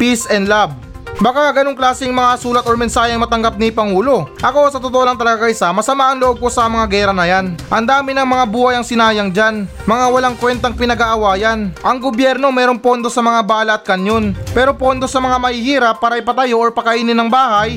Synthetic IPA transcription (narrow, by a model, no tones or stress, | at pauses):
pisʔɛnlab̚ | bɐkaɐɡɐnoŋklaːsɪŋmɐŋasuːlɐt̪oɾmɛnsaːhɛɐŋmɐt̪ɐŋɡap̚nipɐŋuːlo̞ʔɐko̞sɐt̪ot̪oʔolɐŋt̪ɐlɐɡakɐɪsamɐsɐmaːʔɐnloʔo̞b̚kosɐmɐŋaɡɛːɾɐnɐjanʔɐnd̪aːmɪnɐŋmɐŋabuːhɐjɐŋsɪnaːjɐŋd͡ʒan | mɐŋawɐlaŋkwɛnt̪ɐŋpɪnɐɡaʔɐwaːjɐnʔɐŋɡobjɛɾno̞mɛːɾo̞ŋpo̞nd̪o̞sɐmɐŋabaːlɐʔt̪̚kɐnjo̞npɛːɾo̞po̞nd̪o̞sɐmɐŋamɐhɪhiːɾɐpːaːɾɐɐjpɐt̪ɐjo̞ʔoɹpɐkɐʔiːnɪnːɐŋbaːhɐj